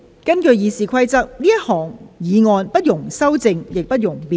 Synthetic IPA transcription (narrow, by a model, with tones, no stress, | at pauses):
kɐ˥nkɵ˧ɥjiː˨˧siː˨˩kʷʰɐ˥jt͡sɐ˥k̚niː˥jɐ˥t̚hɔː˨˩ŋjiː˨˧ŋɔː˧npɐ˥t̚jʊ˨˩ŋsɐ˥wt͡sɪ˧ŋjɪ˨k̚pɐ˥t̚jʊ˨˩ŋpiː˨